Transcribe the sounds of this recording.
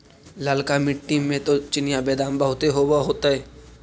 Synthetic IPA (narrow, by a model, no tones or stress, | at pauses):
ləlkamɪʈ̚ʈːiːmːẽt̪ot͡ʃɪnijabɛːd̪aːnbəɦʊt̪eɦoːbaɦoːt̪aɦɛː